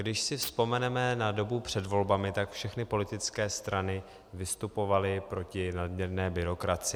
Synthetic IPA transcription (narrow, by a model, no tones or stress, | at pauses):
ɡdɪʃsɪfspo̞mɛnɛmɛnado̞bupr̝̥ɛdvo̞lbamɪt̪akfʃɛxnɪpo̞lɪt̪ɪt͡skɛːst̪ɾanɪ | vɪst̪upo̞valɪpɾo̞cɪnadmɲɛɾnɛːbɪɾo̞kɾat͡sɪ